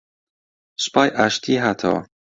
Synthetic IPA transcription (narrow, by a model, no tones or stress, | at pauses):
spʰaːjʔaʃt̪ʰiːɦaːt̪ʰɐ̰wɐ̰